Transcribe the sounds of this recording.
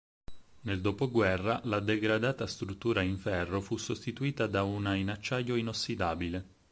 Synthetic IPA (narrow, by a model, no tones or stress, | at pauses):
neld̪oːpoɡwɛrːalad̪eɡɾad̪aːt̪ast̪ɾut̪ːuːɾaiɱfɛrːofusːost̪it̪uiːt̪ad̪aunainat͡ʃːajoinosːid̪aːbile